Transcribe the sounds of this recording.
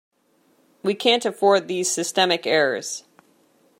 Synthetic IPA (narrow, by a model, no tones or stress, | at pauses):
wikʰæ̃ntɨfɔɹd̪̚ðiz̥sɨstɛmɨkɛɹə˞z̥